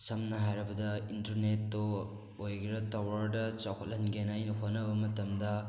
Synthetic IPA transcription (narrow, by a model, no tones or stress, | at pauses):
sɐmnɐɦajɾɐbɐdɐintɐɾnetːo | ojɡiɾɐtɐwɐɾdɐt͡ʃawkʰɐtlɐnɡenajnɐɦonɐbɐmɐtɐmdɐ